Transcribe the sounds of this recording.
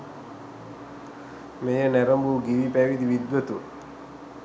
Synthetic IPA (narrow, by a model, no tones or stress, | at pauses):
mejənæɾəmbuɡiʋipæʋid̪iʋid̪ʋət̪u